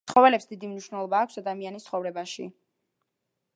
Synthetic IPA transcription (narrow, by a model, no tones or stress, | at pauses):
χɔvɛlɛpsd̪id̪imniʃwnɛlˠɔbaːkʷʰsad̪amianist̪sʰχɔvɾɛbaʃḭ